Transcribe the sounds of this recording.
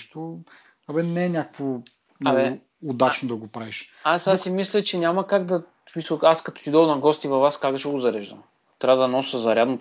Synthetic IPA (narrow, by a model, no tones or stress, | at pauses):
ʃt̪o | ɐbɛnɛːnʲakə̥kvo | nɛɛ | od̪at͡ʃnod̪ɐɡopɾaviʃasasimislʲət͡ʃɛnʲamɐkaɡd̪ɐ | pisəaskɐt̪ɔ̥t̪id̪olˠnɐɡɔst̪ivɐvaskazəʃɛɡʊzɐɾɛʒd̪ə̰m | t̪ɾʲavəd̪ɐnɔsəzɐɾʲad̪not̪